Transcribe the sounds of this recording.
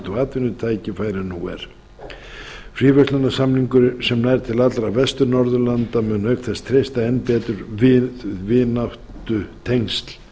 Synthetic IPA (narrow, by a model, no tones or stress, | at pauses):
t̪ɔɣaːt̪vɪnʏt̪ʰaːjcɪfaːjɾɪnuɛ̰ɾ̥ | fɾiːvɛst̪lanːasamniŋkʏɾsɛmnajɾ̥t̪ʰɪlat̪lɾavɛst̪ʏɾnɔɾðʏlant̪amʏnœːɥkθɛst̪ʰɾejst̪aɛnːpɛːt̪ʏɾvɪvɪnawht̪ʏt̪ʰejŋst̪l̥